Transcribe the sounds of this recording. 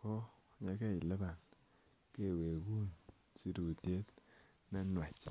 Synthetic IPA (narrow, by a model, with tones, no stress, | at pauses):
kɔ˦ | ɲe˦ke˦˨i˨le˦ba˨n | ke˦˨we˨ɡu˦˨n | si˦tu˨te˦t | na˦nwa˨t͡ʃ